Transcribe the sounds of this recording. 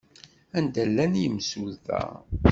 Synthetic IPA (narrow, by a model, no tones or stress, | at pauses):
ænd̪ælːænjəmsuðæ̰